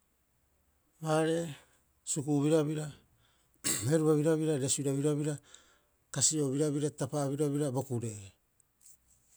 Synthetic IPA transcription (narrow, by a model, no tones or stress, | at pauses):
βaɾe̞ | sukuβiɾaβiɾa | eɾuaβiɾaβiɾaɾe̞suiɾaβiɾaβiɾa | kasio̞βiɾaβiɾatapaβiɾaβiɾabo̞kuɾe̞